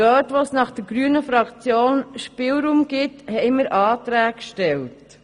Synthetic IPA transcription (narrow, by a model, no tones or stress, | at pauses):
œːtʋosnɑχd̥əɾɡɾyːnəfɾɑkt͡sjoːnʃpɪːlɾuːmɡɪthɛɪməɾʔɑːt̪ɾæːkʃtɛlt